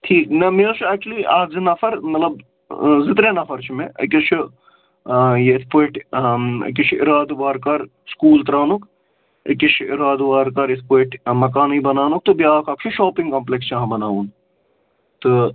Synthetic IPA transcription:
ʈʰiːknɐmeːt͡ʃʰuæːk̚t͡ʃuliːʔaːk̚zinɐfʰɐɾmɐt̪lɐb | zɪt̪ɾenɐfʰɐɾt͡ʃʰimeʔɐ̰kit͡ʃʰu | jeɪt̪ʰpoːʈʰɐ̰kʲit͡ʃʰiɾaːd̪ʋaːɾkɐɾ | skuːlt̪ɾaːnuk | əkit͡ʃʰiɾaːd̪ʋaːɾkɐɾɪt̪ʰpoːʈʰmɐk̬aːniːbɐnaːnuk̚t̪ubiaːkʰɐk̚t͡ʃʰuʃoːpiŋɡkɐmplekst͡ʃʰaɦãbɐnaːʋun | t̪ɨ

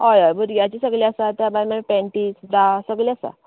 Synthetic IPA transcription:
ɦɔjɔjbuɾɡjat͡ɕisəɡliasat̪jabajmapɛ̃ɳʈiːsbɾasəɡliasa̰

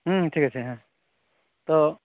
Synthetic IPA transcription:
ɦʈʰiːkət͡ʃʰeɦã | t̪o

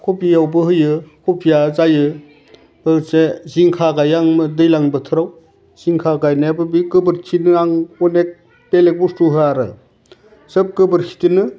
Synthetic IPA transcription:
kʰopʰijawbɯɦɯjɯkʰopʰijazajɯ | bɯt͡ʃeziŋkʰaɡajaŋmɯdɯjlaŋbɯtʰɯɾaw | z̥iŋkʰaɡajnabɯbikɯbɯɾtʰinɯaŋɔnek̚ | pelek̚bustuɦɯaɾɯ̰ | sɯp̚kɯbɯɾkʰi̥tɯnɯ

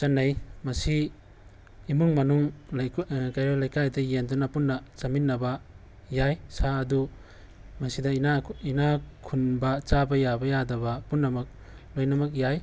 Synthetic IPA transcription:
t͡ʃɐnːɐjmɐsi | muŋmɐnuŋlkajɾalajkajdɐjendunɐpunːɐt͡ʃɐminːɐbɐ | jajsʰaɐdu | mɐsidɐnainakʰunbɐt͡ʃabɐjabɐjadɐbɐpunːɐmɐk̚ | lojnɐmɐk̬̚jaj

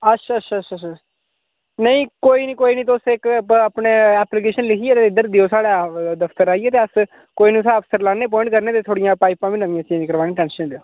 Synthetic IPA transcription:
ətːʃʰaːətːʰaːətt͡ʃʰaːt͡ʃa | nəĩːkoːiːniːkoːiːniːt̪̬oːsɪkəpneːɛːplik̬eːʃənlɪkʰiɛːt̪eːɪd̪əɾd̪eoːsaːɽaːd̪əfʰt̪əɾaːieːt̪eːəs | koːiːnũːsaəpsəɾlaːneːp̬ɔːɪ̃ɳʈkəɾneːt̪eːt̪ʰoːɽijãːpaːɪpãːʋĩːnəʋĩjãːt͡ʃiːĩkəɾʋaːneːʈɛ̃ːnsə̃d̪eoː

